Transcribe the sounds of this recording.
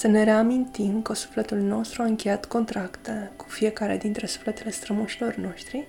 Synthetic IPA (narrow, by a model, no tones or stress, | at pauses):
səne̞ɾe̞amint̪imkəsu̥fle̞t̪ulno̞st̪ɾuaɨŋkʲe̞jat̪ko̞nt̪ɾakt̪eku̥fije̞kaɾe̞̰d̪int̪ɾe̞su̥flet̪e̞le̞st̪ɾəmuʃilo̞rno̞ʃt̪ɾi